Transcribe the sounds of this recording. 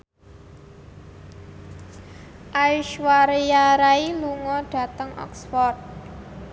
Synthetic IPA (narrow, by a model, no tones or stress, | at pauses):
ʔajʃwaɾejaɾailuŋɔɖ̥ä̤t̪əŋʔɔ̰ksfɔrd̪̚